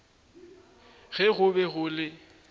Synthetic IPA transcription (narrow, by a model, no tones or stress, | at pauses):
ɣɛɣʊbɛɣʊlɪ